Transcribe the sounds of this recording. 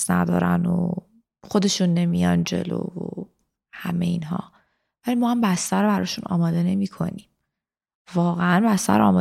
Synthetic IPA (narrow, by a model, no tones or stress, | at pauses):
snæd̪ɒ̰ːɾæno | xo̞d̪e̞ʃunːe̞mijɒnd͡ʒe̞̰lo̰ːvo | hæme̞iːnɦɒ̰ː | vælimɒːhambæst̪æɾbæɾɒːʃunɒ̰ːmɒːd̪e̞ne̞miːkʰo̞̰niːm | vɒːɣeænbæst̪æ̰ɾɒ̰ːmɒ